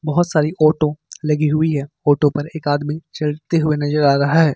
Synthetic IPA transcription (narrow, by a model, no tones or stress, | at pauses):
bɐɦʊt̪saːɾiʔɔːʈõlɐɡiɦʊiɦɛː | ɔːʈõpɐɾeːkaːd̪mit͡ʃɐlt̪eɦʊenɐzəɾaːɾɐɦaɦɛː